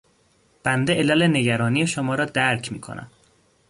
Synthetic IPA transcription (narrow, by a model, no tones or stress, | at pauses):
b̥ænd̪eʔelæleneɟæɾɒːniːeʃomɒːɾɒːd̪æɾcʰmiːkʰo̞̰nʔæ̰m